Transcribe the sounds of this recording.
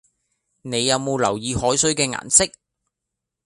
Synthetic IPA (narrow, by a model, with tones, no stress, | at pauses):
ne˨˧jːɐ˨˧wmo˨˧wlɐ̰˨˩wjiː˨˧hɔː˨˥jsɵ˨˥ɥkɛː˧ŋa̰ː˨˩nsɪ˥k̚